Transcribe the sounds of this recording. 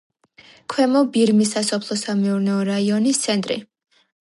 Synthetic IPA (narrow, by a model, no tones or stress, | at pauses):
kʰwɛmɔbiɾmisasɔpʰlˠɔsamɛuɾnɛɔɾaiɔnist̪sʰɛnt̪ʼɾḭ